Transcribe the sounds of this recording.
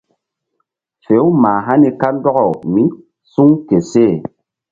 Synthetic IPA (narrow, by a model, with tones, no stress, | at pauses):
fe˨˦wu˦ma˨ɦa˦ni˨ka˦n˦dɔ˦ɣɔ˨mi˦ | su˦ŋke˨seː˦˨